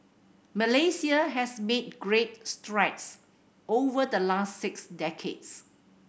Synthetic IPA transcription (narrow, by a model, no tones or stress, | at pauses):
məlesiəɦɛsmed̚ɡɹet̚stɹaɪks | ovədəlassɪksdɛkʰḛds